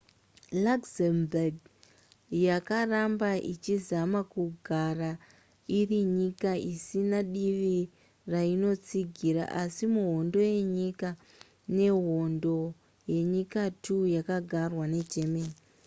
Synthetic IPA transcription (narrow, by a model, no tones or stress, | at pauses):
lakzembarɡ | jakarambaʔit͡ʃizamakuɡʱara | iriɲikaisinaɗiʋi | raino̞t͡siɡʱiɾa̰ʔasimuɦo̞ndo̞je̞ɲika | ne̞ɦo̞ndo̞ | je̞ɲikatʰujakaɡʱarwane̞t͡ʃe̞meːni